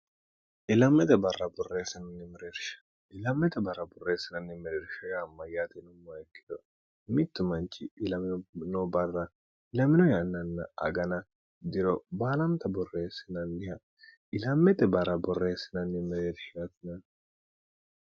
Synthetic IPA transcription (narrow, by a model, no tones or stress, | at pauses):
ʔɪlɐmːɛt̪ɛbɐrːɐbɔrːeːsɪnɐnːɪmɪɾeːɾʃɐ̥ | ʔɪlɐmːɛt̪ɛbɐrːɐbɔrːeːsːɪnɐnːɪmɪɾeːɾʃɐjamːɐjaːt̪ɛnʊmːɐɛkːɪ̥d̪ɔ | mɪt̪ːʊmɐnt͡ʃɪɪlɐmɪnnɔbɐrːɐ | ɪlɐmɪnɔjanːɐnːɐʔɐ̰ɡɐnɐ | d̪ɪɾɔbaːlɐmt̪ɐbɔrːeːsɪnɐnːɪhɐ | ɪlɐmːɛt̪ɛbɐrːɐbɔrːeːsːɪnɐnːɪmɪɾeːɾʃɪjɐt̪ɪnɐn